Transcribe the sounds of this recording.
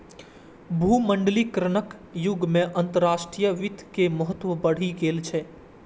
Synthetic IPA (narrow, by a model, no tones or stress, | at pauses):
bʱuməɳɖlikɾəɳəkjʊɡmẽʔənt̪əɾːaʃʈɾijəʋɪt̪keməɦət̪ːʋəbəɽ̤iɡelt͡ʃʰe